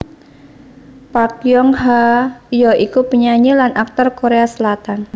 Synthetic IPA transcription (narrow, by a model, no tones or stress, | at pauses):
pakjɔŋɦajɔikupəɲaɲilanʔak̚t̪ɔrkoɾeasəlat̪an